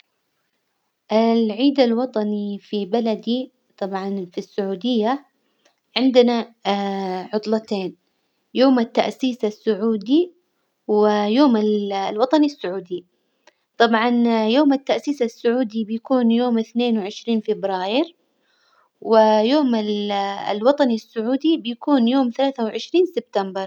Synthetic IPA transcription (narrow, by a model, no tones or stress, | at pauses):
ʔɪlʕiːd̪alwɑt̪ˤɑnifibalad̪i | t̪ˤɑbʕɑnfisːʊʕuːd̪ɪjːa | ʕɪnd̪ɪna | ʕʊt̪ˤlɑt̪eːn | joːmat̪ːa̰ʔsiːsasːʊʕuːd̪i | wɪjoːmallwɑt̪ˤɑnisːʊʕuːd̪i | t̪ˤɑbʕɑnjoːmat̪ːaʔsiːsasːʊʕuːd̪ibɪjakuːnjoːmɪθneːnwɪʕɪʃɾiːnfɪbɾɑːjɪɾ | wɪjoːmɪl̰lwɑt̪ˤɑnisːʊʕuːd̪ibɪjakuːnjoːmθalaːθawʕɪʃɾiːnsɪb̚t̪ambɑɾˤ